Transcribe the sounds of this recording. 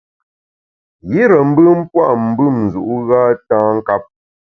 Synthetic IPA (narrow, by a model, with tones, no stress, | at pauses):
ɣi˦ɾə˨m̩˦bɨ˦m̩˦pwa˦˨ʔm̩˨bɨ˦˨mn˨zu˨ʔu˦ɣaː˦tãː˦ŋ̩˦ka˦p̚